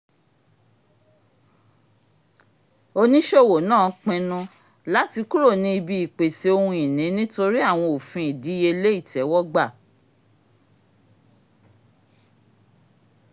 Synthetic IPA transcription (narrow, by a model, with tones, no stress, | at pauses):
o˧nĩ˦ʃo˦˨wo˨nãː˦˨k͡pɛ̃˧nũ˧ | la˦ti˧ku˦ɾo˦˨nĩ˧i˧bi˧i˨k͡pe˨se˧o˧hũ˧i˨nĩ˨˦nĩ˦to˧ɾi˦a˦˨w̃ɔ̃˧o˨fĩ˧˦i˨di˨˦je˧le˦i˦˨tɛ˨˦wɔ˦ɡ͡ba˦˨